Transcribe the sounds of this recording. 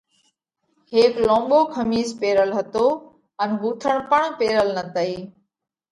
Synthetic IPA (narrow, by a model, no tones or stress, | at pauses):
heːklõːɓoːkʰəmiːspeːɾəlɦət̪oː | ənɡuːt̪ʰəɳ̃pəɳ̃peːɾəlnət̪əiː